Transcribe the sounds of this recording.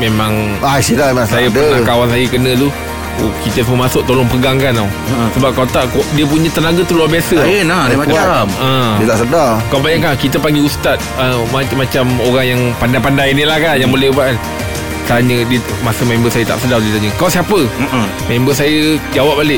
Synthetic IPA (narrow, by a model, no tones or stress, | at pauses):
memãŋasidaemãŋsajəpdəakawansajəkənə̃t̪u | kit̪əsəməmasʊʔ̚t̪olɔŋpəɡaŋkanaw | səbap̚kawt̪aʔkodiəp̬uɲə̃t̪ənaɡat̪uluabiasəənadakə̃iət̪aʔsədakawbajaʔkakit̪əpaŋɡiust̪at̪̚əmamat͡ʃamoɾaŋjaŋpandajpandajnilahkanjaŋbulɛbaʔn | t̪aɲədiə | masəmẽmbəsajət̪a̰ʔsədahdiət̪aɲəkawsiapə | mẽmbəsajəd͡ʒawap̚ːalɪʔ